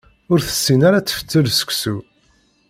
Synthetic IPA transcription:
ʊɾθə̥sːinaɾat͡sːə̥fə̥t͡sːəlsə̥kʷːsu

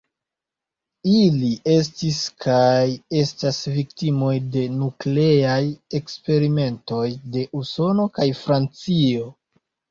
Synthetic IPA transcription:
iliʔe̞s̬tiskʰaje̞stasviktimo̞jde̞nukle̞aje̞kspe̞ɾime̞nto̞jde̞ʔuso̞no̞kajfɾant͡sio̞

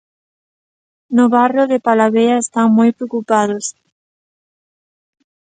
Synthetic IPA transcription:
nʊβarjoðɪpalaβeɐest̪aŋmojpɾeokupaðʊs

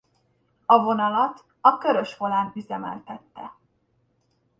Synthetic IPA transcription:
ɒvo̞nɒlɒt̪ | ɒkøɾø̞ʃfo̞laːnyzɛmɛ̰lt̪ɛt̪ːɛ

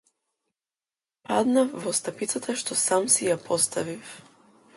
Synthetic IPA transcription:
pad̪nafːɔst̪apit̪sat̪aʃt̪ɔsamsijapʰɔst̪avif

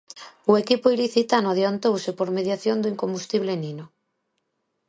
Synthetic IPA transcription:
ʊekipʊiliθit̪anʊaðjant̪owsɪpoɾmeðjaθjond̪uiŋkombust̪iβleninʊ

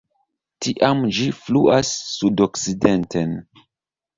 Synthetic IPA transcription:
tiʔamd͡ʒifluʔasːudoksidentʰen

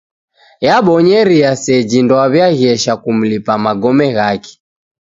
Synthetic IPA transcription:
jaɓɔɲɛɾiasɛd͡ʒindɔaβjaɣiɛʃakum̩lipamaɡɔmɛɣaki̥

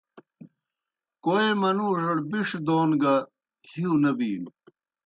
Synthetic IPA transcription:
koːemɐnuːʐɐɽbiʂd̪oːnɡɐ | hʰiunɐbiːɽ

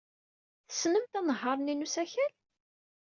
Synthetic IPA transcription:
θə̥snəmt̪ænəɦːɑɾˤninusæçæl

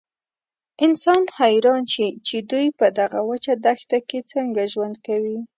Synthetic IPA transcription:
ɪnsɑnhajɾɑnʃit͡ʃed̪ujpəd̪aɣawət͡ʃad̪axt̪aket͡səŋɡaʒwand̪̚kawi

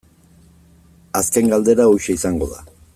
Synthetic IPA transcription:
aske̞ŋɡald̪e̞ɾaojʃeisaŋɡo̞ða̰

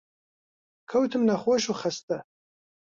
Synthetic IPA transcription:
kʰɐwt̪ʰɨmnɐχoʃuxɐst̪ɐ

